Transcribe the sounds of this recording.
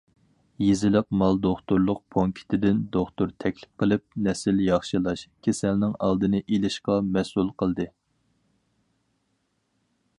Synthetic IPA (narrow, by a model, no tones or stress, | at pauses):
jizɪlɪq̚mɑlˠd̪oχt̪uɾlˠʊq̚pʰoŋkʲʰi̥t̪ʰɪd̪ɪnd̪oχt̪uɾt̪ʰɛkʲlɪ̥p̚qəlˠɨp̚nɛsɪljɑχʃɨlˠɑʃkʲʰesælnɪŋɑlˠd̪ɨnɨʔelɪʃqɑmɛsulˠqʰəlˠd̪ɨ